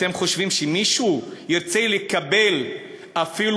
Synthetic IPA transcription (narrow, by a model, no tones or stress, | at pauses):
te̞mχo̞ʃvimʃemiʃujiʁt͡se̞lekabe̞l | afil